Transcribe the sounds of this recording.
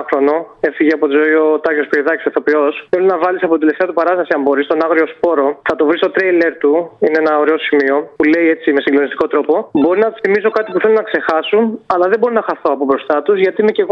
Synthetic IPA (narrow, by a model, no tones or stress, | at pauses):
xɾono̞e̞fiʝeɐpot̪izoiot̪ɐçospoiðɐcisoθo̞pio̞sθelunɐvɐlisɐpot̪it̪left̪eɐt̪upɐɾɐst̪ɐsiɐmbo̞ɾist̪o̞nɐɣɾio̞spo̞ɾo̞θɐt̪o̞vɾist̪o̞t̪ɾejle̞ɾt̪uineenɐo̞ɾeosimio̞pule̞je̞t͡sime̞siŋɡlo̞nist̪i̥kot̪ɾo̞po̞bo̞ɾinɐθimiso̞kɐt̪ipuθelunɐkse̞xɐsunɐlɐðebo̞ɾinɐxɐθo̞ɐpobɾo̞st̪ɐt̪uzʝɐt̪iimece̞ɣo